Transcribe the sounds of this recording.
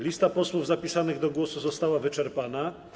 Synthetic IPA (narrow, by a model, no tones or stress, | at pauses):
lʲist̪apɔswuvzapʲisanɘɣd̪ɔɡwɔsuzɔst̪awavɘt͡ʂɛɾpana